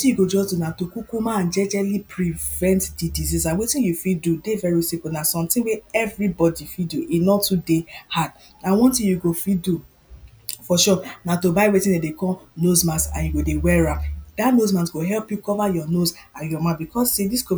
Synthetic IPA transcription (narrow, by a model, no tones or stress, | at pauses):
tĩjuɡod͡ʒɔsdunatokukumããnd͡ʒɛd͡ʒɛlipʰɹivɛ̃ntdidizisãnwetĩnjufidudevɛɹisikunasɔ̃mtĩweɛvɹibɔdifiduʔinɔtudehad̚ | ãwɔ̃ntĩjuɡofidu | fɔʃɔnatobaɪwetĩnedekɔnozmasã̰njuɡodewɛɹapd̥anozmãsɡoɦɛlpjukɔvajɔnozãnjɔmãbikʰɔsediskɔ